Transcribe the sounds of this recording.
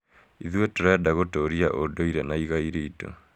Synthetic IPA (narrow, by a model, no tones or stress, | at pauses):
iðwetoɾajadaɣotoɾiaʔodoiɾenaiɣaiɾeito̰